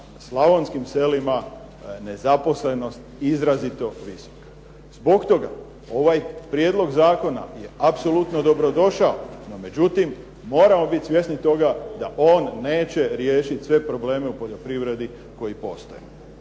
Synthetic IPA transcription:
slˠaʋo̞nskimse̞lima | ne̞zapo̞sle̞no̞st̪izɾazit̪o̞ʋiso̥kḁ | zbo̞kt̪o̞ɡa̰ | o̞ʋajpɾjeːd̪lo̞ɡzaːko̞na̰je̞apso̞lut̪no̞d̪o̞bɾo̞d̪o̞ʃaono̞me̞d͡ʑut̪imː | o̞ːɾamo̞bit̪ʲsʋje̞snit̪o̞ɡad̪aʔo̞ːnːe̞ːt͡ɕe̞ɾje̞ːʃit̪ʲsʋe̞pɾo̞ble̞ːme̞upo̞ʎo̞pɾiʋɾe̞d̪i | ko̞jipo̞̰st̪ojḛ

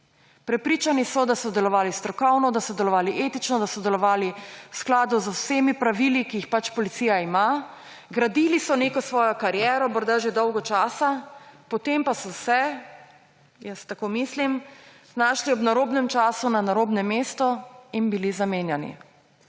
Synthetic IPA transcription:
pɾɛpɾiːt͡ʃanisɔd̪asɔd̪ɛlɔʋaːlist̪ɾɔkɔwnɔd̪asɔd̪ɛlɔʋaːliʔet̪it͡ʃnɔd̪asɔd̪ɛlɔʋaːliwsklaːd̪uzowseːmipɾaʋilikiixpat͡ʃpɔlit̪siːjaima | ɡɾad̪ilisɔnekɔsʋɔːjɔkaɾjɛːɾɔmɔɾd̪aʒed̪ɔwɡɔt͡ʃaːsapɔt̪empasɔsɛ | jəst̪akoːmislim | naːʃliɔbnaɾoːbnɛmt͡ʃaːsunanaɾoːbnɛmeːst̪ɔinbilizameːnjanḭ

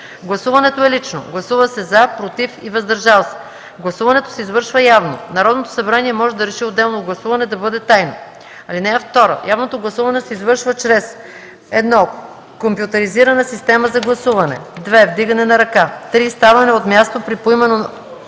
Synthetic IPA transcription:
ɡlˠɐsuvɐnɛt̪oɛlit͡ʃno̰ɡlˠɐsuvɐsɛzapɾot̪ifivɐzd̪ɐɾʒalˠsɛ̥ | ɡlˠɐsuvɐnɛt̪o̥sɛizvɤɾʃvəjavno̰nɐɾɔd̪not̪o̥sɐbɾaniɛmɔʒɛd̪ɐɾɛʃiod̪ːɛlˠnoɡlˠɐsuvɐnɛd̪ɐbɤd̪ɛt̪ajno | ɐlinɛːft̪ɔɾə̰jʔavnot̪oɡlˠɐsuvɐnɛsɛizvɤɾʃvət͡ʃɾɛs | ɛd̪nɔ | kompjʊt̪ɐɾiziɾɐnəsist̪ɛməzɐɡlˠɐsuvɐnɛ̰d̪vɛvd̪iɡɐnɛnɐɾɐkat̪ɾist̪avɐnɛot̪mʲjast̪opɾipoimɛno

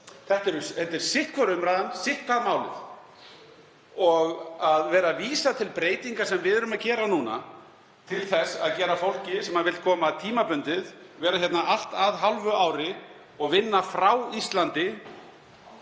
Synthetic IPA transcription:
θɛht̪ɛɾʏɛt̪ːɛɾ̥sɪht̪̚kʰɔɾʏmɾaðansɪht̪̚kʰvaðmaːwlɪ̰θ | ɔɣaðvɛːɾaviːsat̪ʰɪlpɾeːjt̪iŋkasɛmvɪðɛɾʏmaðcɛːɾanuːna̰ | t̪ʰɪlθɛsːa̰ðcɛːɾafowl̥cɪsɛmhaðvɪlt̪̚kʰɔːmat̪ʰiːmapʏnt̪ɪð | vɛːɾaçjɛt̪naʔal̥t̪aðɦalvʏaːwɾɪ | ɔɣvɪnːafɾawist̪lant̪ɪ

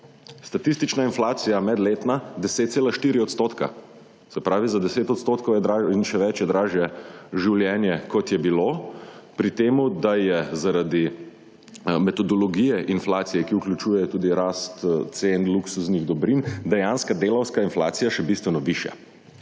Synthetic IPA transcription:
st̪at̪ist̪it͡ʃnainflaːt̪sijamɛd̪leːt̪nad̪ɛseːt̪t̪seːlaʃt̪iːɾiɔt̪st̪oːt̪ka̰ | sɛpɾaːʋizad̪ɛseːt̪ɔt̪st̪oːt̪kɔwjɛd̪ɾainʃɛʋɛt͡ʃjɛd̪ɾaːʒjɛʒiwljɛːnjɛkɔt̪jɛbilopɾit̪eːmud̪ajɛzaɾad̪i | mɛt̪ɔd̪ɔlɔɡijɛʔinflaːt̪sijɛkiuklʲut͡ʃuːjɛjɔt̪uːd̪iɾaːst̪t̪senluksusniɣd̪ɔbɾind̪ɛjanskad̪eːlɐwskainfla̰ːt̪sijaʃɛbist̪ʋɛnɔʋiʃja̰

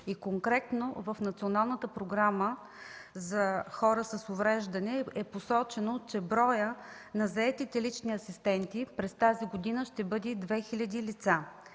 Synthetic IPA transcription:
ikoŋkɾɛt̪novəfnɐt̪sionalˠnət̪əpɾoɡɾamə | zɐxɔɾəsəsʊvɾɛʒd̪ɐnɛɛposɔt͡ʃɛnot͡ʃɛbɾɔjə | nɐzɐɛt̪it̪ɛlit͡ʃniɐsist̪ɛnt̪ipɾɛst̪aziɡod̪inəʃt̪ɛbɤd̪id̪vɛxilʲɐd̪ilit̪sa

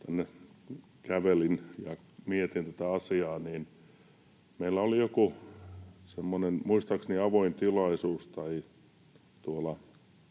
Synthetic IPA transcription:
t̪ænːe | kæʋelinjɑ | miet̪int̪æt̪æɑsiɑːniːn | meilːˑæolijoku | semːonenmuist̪ɑksniɑʋoint̪ilɑisuːst̪ɑi | t̪uolɑ

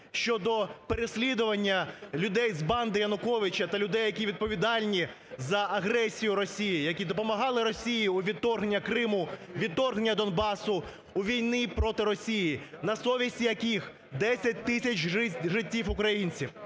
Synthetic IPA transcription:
ʃt͡ʃɔd̪ɔpeɾesʲlʲid̪ʊʋɐnʲːɐlʲʊd̪ɛjzbɑnd̪ɪjɐnʊkɔʋɪt͡ʃɐt̪ɐlʲʊd̪ɛjːɐkʲiʋʲid̪̚pɔʋʲid̪ɑlʲnʲi | zɐʔɐɦɾɛsʲijʊɾɔsʲijijɐkʲid̪ɔpɔmɐɦɑlˠɪɾɔsʲijiʊʋʲid̪t̪ːɔrɦenʲːɐkɾɪmʊʋʲidt̪ːɔrɦenʲːɐd̪ɔnbɑsʊ | uʋʲijnɪpɾɔt̪ɪɾɔsʲijinɐsɔʋʲisʲtʲijɐkʲix | d̪ɛsʲɐt̚ʲt̪ɪsʲɐt͡ʃʲʒɪtʲːiwʊkɾɐjinʲt͡sʲiw

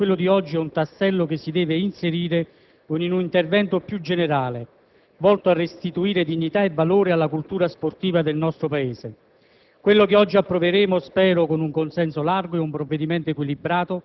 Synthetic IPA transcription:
kwelːʊd̪iɔd͡ʒːiɛunt̪asːɛlːʊkesːid̪ɛːveinseɾiːɾe | koninunint̪ervɛnt̪opjud͡ʒːeneɾaːle | vɔlt̪oarːest̪it̪uiːɾed̪iɲːit̪aevːaloːɾɪalːakult̪uːɾasport̪iːvad̪elnɔst̪ɾopaeːse | kwelːokeɔd͡ʒːiapːɾoveɾeːmʊspɛːɾokonuŋkonsɛnsolarɡoeumpɾovːed̪imɛnt̪oekwilibɾaːt̪ʊ

